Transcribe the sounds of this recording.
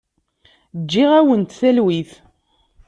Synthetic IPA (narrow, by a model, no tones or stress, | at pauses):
d͡ʒːiʁæwənt̪θælwiθ